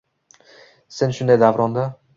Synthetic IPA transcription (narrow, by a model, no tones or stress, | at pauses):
senʃʊnd̪ajd̪avɾɒnd̪a